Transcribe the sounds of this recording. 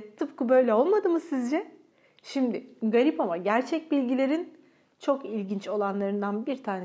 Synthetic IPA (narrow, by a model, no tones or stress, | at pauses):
t̪ʰɯp̚kɯbø̞jlʲɛo̞lˠmad̪ɯmɯsizd͡ʒɛ | ʃimd̪ɪɡaɾipamaɟæɾt͡ʃʰɛc̚bilʲɟilʲe̞ɾin | t͡ʃʰo̞kilʲɟint͡ʃo̞lˠanlˠaɾɯnd̪anbiɾt̪ʰaːnɛ